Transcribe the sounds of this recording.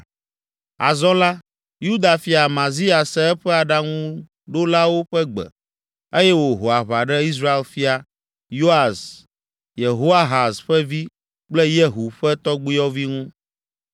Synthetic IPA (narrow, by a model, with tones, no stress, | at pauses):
a̰˨zɔ̃˦la˦ | ju˦d̪a˨fi˦a˨mã˨zi˦a˨sɛ˦ɛ˦ɸɛ˦a˨ɖa˦ŋũ˦ | ɖo˦la˦wo˦ɸɛ˦ɡ͡bɛ̰˨ | e˦jɛ˦wo˨ɦo˨a˨βa˨ɖɛ˦i˦s̬ɾa˦e˦lfi˦a˨ | jo˦a˨z | je˨ɦo˦a˦ɦa˨sɸɛ˦vi˦ | k͡plɛ˦je˦ɦu˨ɸɛ˦t̪ɔ˦ɡ͡bi˦jɔ˦vi˦ŋũ˦